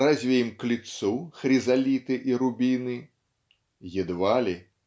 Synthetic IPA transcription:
ɾazʲvʲɛjimklʲit̪suxɾʲizalʲit̪ɨʔiɾubʲinɨ | jɛd̪valʲi

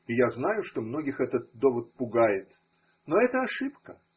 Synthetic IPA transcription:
ɪjaznajʊʂt̪o̞mnoɡʲɪxɛt̪ət̪̚d̪o̞vət̪̚pʊɡajɪt̪ | noɛt̪əɐʂɨpkə

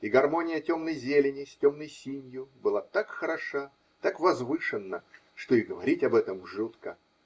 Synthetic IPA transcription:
iɡɐrmonʲɪjətʲo̞mnəjzʲelʲɪnʲɪsʲtʲo̞mnəjsʲinʲjʊbɨlˠat̪akxəɾɐʂa | t̪akvɐzvɨʂɨnːə | ʂt̪oɪɡəvɐɾʲitʲɐbɛt̪əmʐut̪kə̰

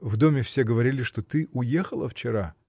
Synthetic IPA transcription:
vd̪o̞mʲɪfsʲeɡəvɐɾʲilʲɪʂt̪o̞t̪ɨʔʊjexəlˠə̰ft͡ɕɪɾa

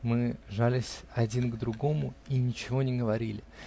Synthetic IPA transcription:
mɨʐalʲɪsʲɐdʲinɡd̪ɾʊɡo̞mʊinʲɪt͡ɕɪvo̞nʲɪɡəvɐɾʲilʲɪ

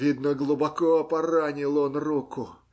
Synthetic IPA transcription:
id̪nəɡlˠʊbɐkoɐpɐranʲɪlˠonrukʊ

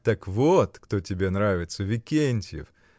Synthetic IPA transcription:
t̪əkvot̪kt̪otʲɪbʲe̞nɾavʲɪt̪səvʲɪkʲenʲtʲɪjɪ̰f

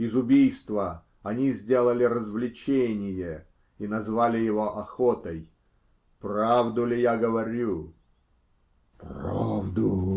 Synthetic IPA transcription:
ɪzʊbʲijst̪və | ɐnʲizʲdʲe̞lˠəlʲɪɾəzvlʲɪt͡ɕenʲɪjə | inɐzvalʲɪjɪvoʔɐxot̪əj | pravd̪ʊlʲɪjaɡəvɐɾʲu | pravd̪ʊ

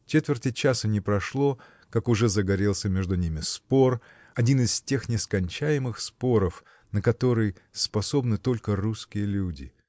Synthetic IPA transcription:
t͡ɕet̪vʲɪrtʲɪt͡ɕasənʲɪpɾɐʂlˠo̞ | kakʊʐɛzəɡɐɾʲe̞lˠsʲəmʲe̞ʐd̪ʊnʲimʲɪspo̞r | ɐdʲinɨstʲe̞xnʲɪskɐnʲt͡ɕæjɪmɨxspo̞ɾəf | nəkɐt̪o̞ɾɨjspɐso̞bnɨt̪o̞lʲkəruskʲɪjəlʲudʲɪ̰

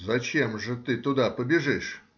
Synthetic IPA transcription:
zɐt͡ɕemʐɨt̪ɨt̪ʊd̪apəbʲɪʐɨʂ

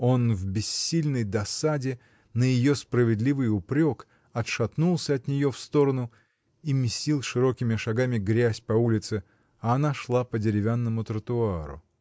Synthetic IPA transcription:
o̞nvbʲɪsʲːilʲnəjd̪ɐsadʲɪ | nəjɪjo̞spɾəvʲɪd̪lʲivɨjʊpɾʲo̞k | ɐt̪ʂɐt̪nulˠsʲəɐt̪nʲɪjo̞fst̪o̞ɾənʊ | imʲɪsʲtʲilˠʂɨɾo̞kʲɪmʲɪʂɐɡamʲɪɡɾʲæsʲpɐulʲɪt̪sɨ | ɐːnaʂlˠapədʲɪɾʲɪvʲanːəmʊt̪ɾət̪ʊaɾʊ̰

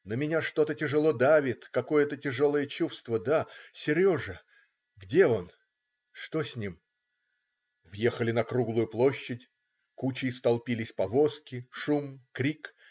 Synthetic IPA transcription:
nəmʲɪnʲaʂt̪o̞t̪ətʲɪʐɨlˠo̞d̪avʲɪt̪kɐko̞jət̪ətʲɪʐo̞lˠəjət͡ɕufst̪vəd̪asʲɪɾʲo̞ʐɨ | ɡdʲe̞o̞n | ʂt̪osʲnʲim | vjexəlʲɪnɐkɾuɡlˠʊjʊplˠo̞ɕːɪtʲ | kut͡ɕɪst̪ɐlˠpʲilʲɪsʲpɐvo̞skʲɪʂumkɾʲik

